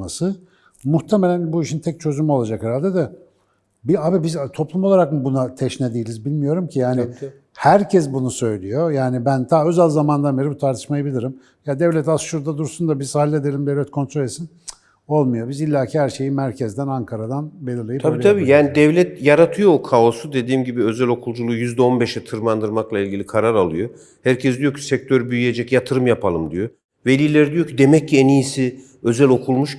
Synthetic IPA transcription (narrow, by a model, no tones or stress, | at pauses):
masɯ | muxt̪ʰemelʲænbuiʃint̪ʰɛc̚t͡ʃʰø̞zumo̞lˠad͡ʒakheɾalʲd̪ed̪a | biabibizt̪ʰo̞plˠumo̞lˠaɾakmbunat̪ʰɛʃnɛd̪ijilʲizbilʲmijo̞ɾumcʰijaːni | hæɾcʰɛsbunusø̞jlʲijo̞jaːnibænt̪ʰaːø̞zælʲzamand̪anve̞ɾibut̪ʰaɾt̪ʰɯ̥ʃmajɯbilʲiɾim | jad̪ɛvlʲɛt̪asʃuɾd̪ad̪uɾsund̪abiz̥alʲːed̪elʲimd̪evlʲɛt̪̚kʰo̞nt̪ʰɾolʲesin | o̞lˠmujabizilʲːaːcʰihæɾʃe̞jimæɾcʰɛzd̪ænaŋkʰaɾad̪anbelʲiɾlʲˠajit̪ʰabiːt̪ʰabiːjaːnid̪ɛvlʲɛt̪jaɾat̪ʰɯjo̞okʰao̞sud̪e̞d̪iːmɟibiø̞zælʲo̞kʰulˠd͡ʒulˠuːjyzd̪ɛo̞nbɛʃɛt̪ʰɯɾmand̪ɯɾmaklˠailʲɟilʲikʰaɾaɾalˠɯjo | hæɾcʰɛsd̪ijo̞cʰi̥sɛc̚t̪ʰøɾbyjyje̞d͡ʒɛcjat̪ʰɯɾɯmjapʰalˠɯmd̪ijo | velʲiːlʲeɾid̪ijo̞cʰid̪emɛc̚ːienijisi | ø̞zælʲo̞kʰulˠmuʃ